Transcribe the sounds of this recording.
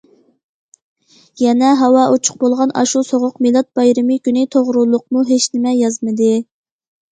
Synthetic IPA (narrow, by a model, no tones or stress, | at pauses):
jɛnɛɦɑwɑʔot͡ʃʰʊ̥q̚bolˠʁɑnɑ̰ʃusoʁʊqmilˠɑt̪̚b̥ɑjɾɨmɨkʲynɪt̪ʰoʁɾulˠʊq̚muɦeʃnɪmɛjɑzmɨd̪ɨ